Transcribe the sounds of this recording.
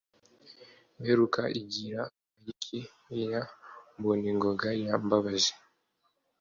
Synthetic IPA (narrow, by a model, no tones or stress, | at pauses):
meɾukaʔiɟiɾa | majikʰi | jamboniŋɡoɡajambaβazi̥